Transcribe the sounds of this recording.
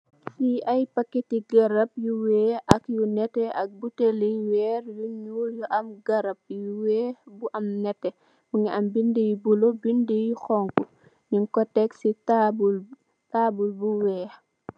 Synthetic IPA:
siɐjpɐkːetiɡɐɾɐp̚juwɛːʔɐkjunɛtɛɐk̚buteliwɛɾjuɲujɔʔɐmɡɐɾɐp̚juwɛːbuʔɐmnɛtːɛ | muŋɛʔɐmbindijubulobindijuxɔŋku | ɲiŋkɔtɛksitabul | tabulbuwɛː

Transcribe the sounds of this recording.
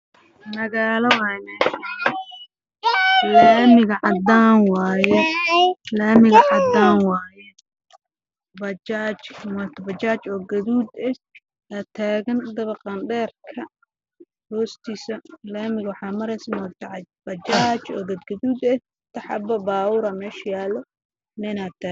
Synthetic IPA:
nɐɣaːlɐwɛnɛ | lɐmɪɣɐʕɑd̪aːnwɑːjɛ | laːmɪɣɐʕɑd̪aːnwɑːjɛ | bɐd͡ʒaːt͡ʃmat̪ʰɐbɐt͡ʃaːt͡ʃɔːɡɐðuːd̪ɛh | ɐt̪ʰaːɣɐnd̪ɐβɐqɑnɖɛːrkʰɐ | hɔːst̪ʰiːsɐlaːmɪɣwɑħɑːmɐɾɛjsmɔt̪ɐʕɑbɐt͡ʃaːt͡ʃɔ̰ːɡɐd̪ɡɐðuːd̪ɛ | t̪ʰɐħɑ̰bɐbaːʊɾɐmɛːʃjaːlɔ | nɛnaːt̪ʰaː

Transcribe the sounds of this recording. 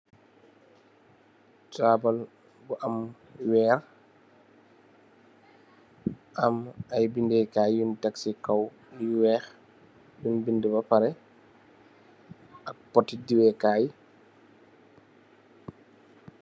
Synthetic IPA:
t͡ʃaːbal | ɡɔʔam | wɛːɾ | ʔamajbindɛjkaːjjuntaksikaw | juwɛx | junbindəbapaɾɛ | ʔak̚pɔtːidiwɛkaːji

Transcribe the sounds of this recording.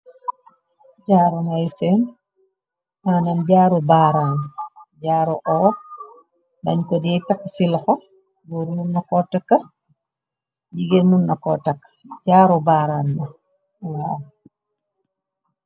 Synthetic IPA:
ɟaːɾunajsɛn | mananɟaːɾubaːɾaːnɟaːɾuʔɔː | dɐɲkɔdiɛjtakːsilɔxɔ | buɾmunːɐkɔtakːɐ | ɟiɡemunːɐkɔtɐkː | ɟaːɾubaːɾanːɐ | wa

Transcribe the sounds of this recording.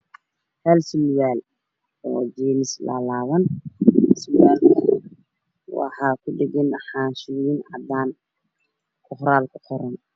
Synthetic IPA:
hɛlsmjaːl | ɔːd͡ʒiːmɪslɐ̰laːwɐn | smjaːlkʰɐ | wɑ̰ħɑːkʰʊɖɛɡɛnħaːʃʊjiːnʕɑd̪aːn | kʰʊhɾaːlkʰʊħɔɾɛn

